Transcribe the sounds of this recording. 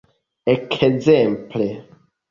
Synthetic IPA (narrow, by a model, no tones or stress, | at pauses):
ekʰzemple